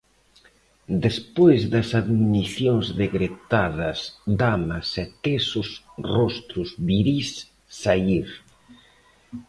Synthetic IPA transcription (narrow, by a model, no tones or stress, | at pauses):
d̪espojzðɐsaðminiθjoŋzðeɣɾet̪aðɐsd̪amɐsɛt̪esʊsrɔst̪ɾʊzβiɾisː | aiɾ